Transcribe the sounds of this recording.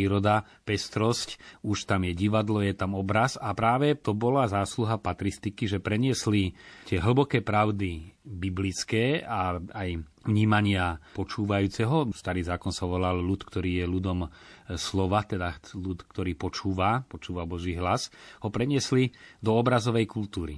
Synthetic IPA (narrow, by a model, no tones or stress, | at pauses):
iːɾɔd̪a | pɛst̪ɾɔscuʃt̪amjɛɟiʋad̪lɔjɛt̪amɔbɾasapɾaːʋɛt̪ɔbɔlazaːsluɦapat̪ɾist̪ikiʒɛpɾɛɲɪɛslit̪ɪɛɦl̩bɔkɛːpɾaʊd̪ibiblit͡skɛːaaj | ʋɲiːmaɲɪapɔt͡ʃuːʋajuːt͡sɛɦɔst̪aɾiːzaːkɔnsaʋɔlallut̪kt̪ɔɾiːjɛlud̪ɔmslɔʋat̪ɛd̪alut̪kt̪ɔɾiːpɔt͡ʃuːʋapɔt͡ʃuːʋabɔʒiːɦlasɦɔpɾɛɲɪɛslid̪ɔːbɾazɔʋɛjkult̪uːɾḭ